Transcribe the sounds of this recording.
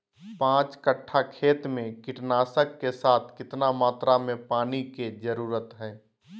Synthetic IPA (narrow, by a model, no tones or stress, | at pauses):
pãːt͡ʃkəʈʰːakʰeːt̪mẽkɪʈnaːsəkːesaːt̪ʰkɪt̪namaːt̪ɾamẽpaːniked͡ʒəɾuːɾət̪ɦɛ̃ː